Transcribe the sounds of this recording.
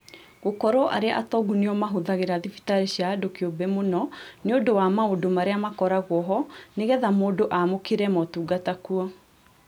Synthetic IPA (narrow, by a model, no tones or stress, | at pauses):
ɣokɔɾɔʔa̰ɾeaʔatɔɡuneɔmaɦoðaɣeɾaðifi̥taɾeɕjaːdokeobɛmonɔneodowamaodomaɾeamakɔɾaɣwɔɦɔneɣɛðamoːdoʔamokeɾɛmɔtuːɡatakuɔ